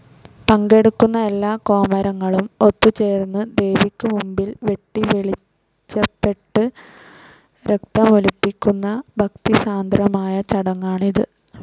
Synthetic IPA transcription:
pɐŋɡe̞ɽukːunːɐe̞lːaːko̞ːmɐɾɐŋːɐɭumo̞t̪ːut͡ɕe̞ːrnːɨd̪e̞jʋikʲːɨmumbilʋe̞ʈːiʋeɭi | t͡ɕːɐpːe̞ʈːɨ | ɾek̚t̪ɐmolupːikʲːunːɐbʱɐk̚t̪isaːnd̪rɐmaːjɐt͡ɕɐɽɐŋːaːɳiðɨ

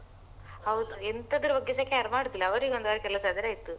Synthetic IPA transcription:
hɐwd̪uent̪ɐd̪ɐɾubɐɡːesɐkːeɐɾmaːɽd̪ilːɐɐʋɐɾiːɡo̞nd̪ʋɐɾekɛlɐsad̪iɾaːit̪ːu

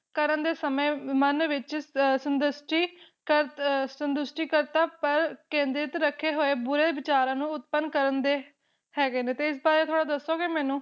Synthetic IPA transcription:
kəɾənd̪eːsəmẽːmənʋɪt͡ʃsənd̪ʊsʈiː | kəsənd̪ʊsʈiːkəɾt̪aːpəɾkẽːnd̪ɾɪt̪ɾəkʰːeːɦoːeːbʊɾeːʋɪt͡ʃaːɾãːnũːʊt̪̚pənkəɾənd̪eː | hɛːɡeːneːt̪eːɪs̬baːɾeːt̪ʰoːɽaːd̪əsːoːɡeːmɛːnũː

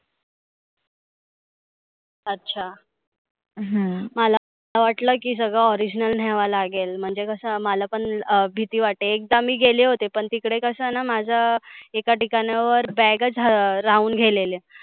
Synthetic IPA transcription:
ətːɕʰa | ɦməla | laʋaʈləːkiːs̬əɡɭəɔɾid͡ʑnəln̤ɛʋalaɡelm̤əɳd͡zekəsəmalapəɳbʱit̪iːʋaʈːeːk̚d̪amiːɡeleɦot̪epəɳt̪ikɽekəsənamad͡ʑʱaekaʈikanjaʋəɾbɛɡət͡sɾauːnɡʱelele

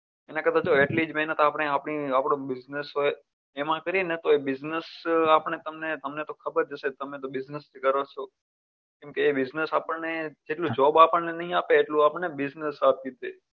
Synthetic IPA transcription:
enãkəd̪ʰat͡ʃoeʈlid͡ʒmenət̪ʰaaːpɳ̃eapɳiapɽ̃õbɪznəsɦoj | emãkəɾienet̪oebɪznəsapəɳet̪əmnet̪əmnet̪okʰəbəɾd͡ʒəset̪əmet̪obɪznəsd͡ʒkəɾot͡ʃʰo | kɛ̃mkeːbɪznəsapəɳned͡ʒeʈlũd͡ʒɔbapəɳnenəɦĩapeːʈlũapəɳebɪznəsap̪̚kid̪ʱe

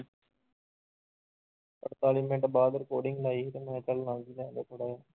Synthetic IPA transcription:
pəɾt̪aːlimẽːɳʈbaːd̪ɾəkoːɖɪŋɡlaːiːt̪emɛ̃ːt͡ʃəlnãːd͡ʒiːlɛ̃ːd̪eːt̪ʰoɽaːjaː

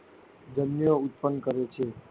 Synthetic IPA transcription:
d͡ʒənːjõʊt̪̚pənkəɾet͡ʃʰe

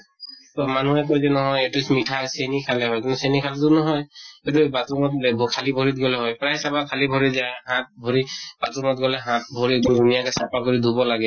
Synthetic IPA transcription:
tɔmanuɛkɔjsɛnɔɦɔjetusmitʰasenikʰalɛɦɔjkunusenikʰalɛtʊnɔɦɔjet̬ubatumɔt̚bʱkʰalibʱoɹit̚ɡɔlɛɦɔjpɹajsabakʰalibʱɔɹizaɛɦãt̚bʱɔɹibatumɔt̚ɡɔlɛɦãt̚bʱɔɹidud̪ʱunijalɛsapakoɹid̪ʱubɔlaɡɛ

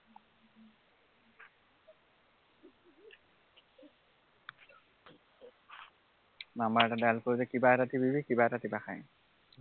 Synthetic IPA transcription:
namaɹɛtadalkoɹizɛkibaɛtatibibikibaɛtatibaxaj

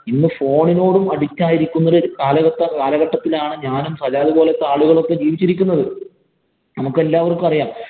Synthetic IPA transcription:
inːɨfo̞ːɳino̞ːɽumɐɽikʲːaːjiɾikʲːunːɐðikaːlɐɣɐtːɐkaːlɐɣɐʈːɐt̪ːilaːɳɨɲaːnumsɐd͡ʑaːðɨbo̞ːlet̪ːaːɭuɣɐɭo̞kːe̞d͡ʑiːʋit͡ɕːiɾikʲːunːɐðɨ | nɐmukːe̞lːaːʋɐrkɨɐrijaːm

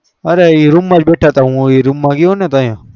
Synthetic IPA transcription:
əɾeiːɾumːãd͡ʒbeːʈʰaːt̪aɦũːiɾumːãɡiõːnet̪aːjã

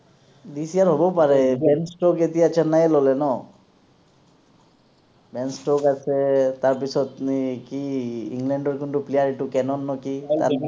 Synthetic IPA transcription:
d̪isijaɹɦobɔpaɹɛbɛnsʈɔket̪ijat͡ʃʰanajlɔlɛnɔ | bɛnsʈɔkasɛt̪aɹp̬isɔt̪kiiŋɡlɛɳɖɔɹkuntuplijaɹiʈukɛnɔnːɔkit̪a̰

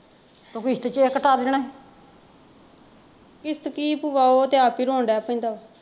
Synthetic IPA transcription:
t̪okist̪t͡ʃeːkəʈaːɾd͡ʒəɳɛ̃ː | kɪst̪kiːpuʋaːoːt̪eaːpiːɾõːɳɖɛːpĩːd̪aː

